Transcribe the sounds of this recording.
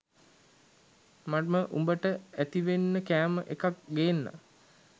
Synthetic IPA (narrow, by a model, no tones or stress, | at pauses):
maməʔumbəʈəæt̪iʋenːəkæːməʔekak̚ɡeːnːa̰